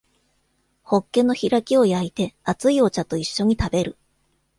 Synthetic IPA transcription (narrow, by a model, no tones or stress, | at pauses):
ho̞kːe̞nːo̞çiɾakʲio̞jait̪e̞at͡sɨio̞t͡ɕat̪o̞iɕːo̞ɲ̟it̪abe̞ɾɯ̟